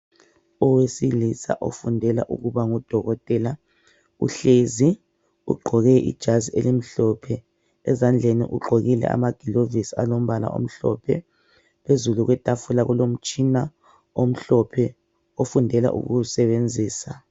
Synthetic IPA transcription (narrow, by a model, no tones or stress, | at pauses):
ɔwesilisa̰ʔo̰fundʱɛla̰ʔṵɣuβaŋɔd̥ʱɔɣɔtʼɛla | ṵɬezi | ṵɡ͡ǃʱɔɣɛʔḭd̥ʒ̥ʱazielim̩ɬɔpʰɛ | ɛzand͡ɮʱenḭʔuɡ͡ǃʱoɣilɛ̰ʔa̰maɡ̥ʱilovisalom̩βala̰ʔo̰m̩ɬɔ̰pʰɛ | pʰezuluɣwɛtʼafulaɣulom̩t͡ʃʼina | om̩ɬɔpʰɛ | ofundʱɛla̰ʔṵɣuusɛβend͡zʱiːsa